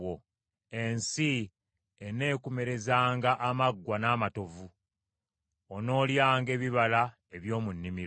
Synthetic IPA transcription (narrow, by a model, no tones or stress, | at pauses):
o | ensi | ene̞ːkume̞ɾe̞zaːŋɡaʔːmaɡːwanaːmato̞vu | ono̞ːljaːŋɡe̞ːβiβala | eβjo̞ːmunːimi